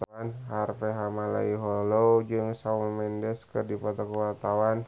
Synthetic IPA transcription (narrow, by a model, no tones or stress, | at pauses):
anɦarfɛɦamala̰iɦɔlod͡ʒɨŋsaulmɛndɛskərdipɔt̪ɔkəwart̪awan